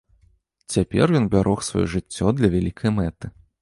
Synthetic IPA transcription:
t͡sʲapʲɛ̰rjɔnbʲaɾʔɔxsva̰jɔ̰ʐɨt͡sʲːɔd̪lʲɐvʲalʲikʰɐjmɛt̪ɨ

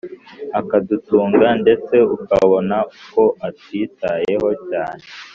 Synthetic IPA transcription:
akadutuːŋɡande̞t͡se̞ukaβo̞nako̞atwiːtaje̞ɦo̞caːne̞

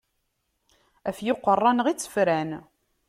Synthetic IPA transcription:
æfjʊqːərˤːɑnəʁit͡sːə̥fɾæn

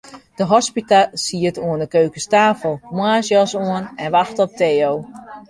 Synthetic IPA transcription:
d̥əɦɔspitasiətuəndəkøːkəstaːfəlˠmwaːsjɔsuənɛnʋaxtɔp̚tʰeːow

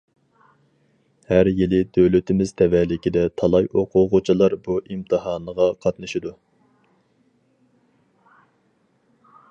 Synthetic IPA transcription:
hæɾjilɪd̪øwlɪt̪ʰɪmɪzt̪ʰɛvɛlɪkʲid̪ɛt̪ʰɑlˠɑjʔoqʰʊʁʊt͡ʃʰilˠɑɾbuʔimt̪ʰɨɦɑːnəʁɑqʰɑt̪nɨʃid̪u

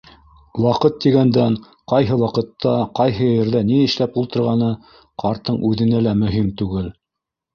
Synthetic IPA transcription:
wɑqɤt̪ːiɡænd̪æŋ | qɑjɦɤwɑqɤ̆t̪ʰːɑqɑjɦɤjɘ̆ɾðæniɘ̆ʃlæpulˠt̪ɤ̆ɾʁɑnɤ | qʰɑɾt̪ɤɴʉðɘ̆nælæmɵ̆ɦimt̪ʉɡɘl

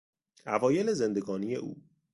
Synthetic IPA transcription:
ævɒːje̞lezend̪e̞ɡɒːnije̞̰ʔṵː

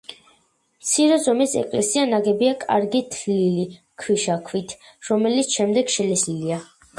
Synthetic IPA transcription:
mt̪sʰiɾɛzɔmisɛ̰kʼlɛsianaɡɛbiakʼa̰ɾɡit̪ʰlili | kʰwiʃakʰwit̪ʰ | ɾɔmɛlit̪sʰʃɛmd̪ɛɡʃɛlɛslilia

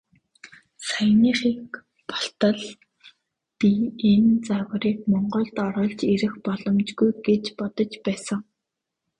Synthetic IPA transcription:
sajniːχiːk | pɔɬt̪ə̆ɮ | pient͡sawə̆ɾiːkmɔɴɢɞ̆ɮt̪ɔɾɞ̆ːɮt͡ɕeɾɘ̆xpɔɮɞ̆mt͡ɕɡujɡet͡ɕpɔt̪ɞ̆t͡ɕpæːsə̆ŋ

